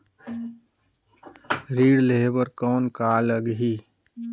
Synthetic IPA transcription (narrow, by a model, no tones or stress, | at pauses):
ɾiːɽleɦebəɾkɔːnkaːləɡɦi